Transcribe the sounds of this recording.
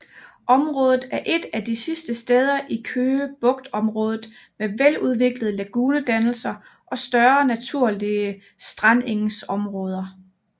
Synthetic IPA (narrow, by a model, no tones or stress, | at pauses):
ʔɒ̽mʁɔ̽ːð̞ˠð̩ˠæɐʔe̝d̥æd̥isisd̥əsd̥eːð̞ˠɐʔikʰøːb̥ɔ̽ɡ̥̚d̥ɒ̽mʁɔ̽ːðˠð̩ˠ | meʋeluð̞ˠʋe̝ɡ̥ləð̞̩ˠəlæɡ̥uːnəd̥ænl̩sɐʔɒ̽sd̥ɶɐnæt͡sʰuɐ̰liə | sd̥ʁɑne̝ŋsɒ̽mʁɔ̽ːð̞ˠɐ